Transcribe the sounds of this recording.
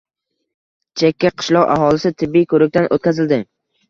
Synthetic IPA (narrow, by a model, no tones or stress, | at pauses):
t͡ʃʰekʲːaqʰɨ̥ʃlˠɒqa̰ɦɒlˠɪsɪt̪ʰɪbːikʰɵɾɪk̚ʲt̪anʔot̪̚kʲazɪld̪ɪ